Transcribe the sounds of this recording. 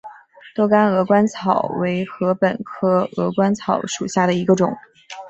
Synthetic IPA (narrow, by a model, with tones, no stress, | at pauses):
t̪o˥ʊka˥nɤ˧˥kwa˥nt͡sʰɑ˨˩˦ʊwe˧˥ɪxɤ˧˥pə˨˩nkʰɤ˥ɤ˧˥kwa˥nt͡sʰɑ˧˥ʊʂu˨˩ɕja˥˩ɾə˩i˧˥ɡə˧ʈ͡ʂʊ˨˩˦ŋ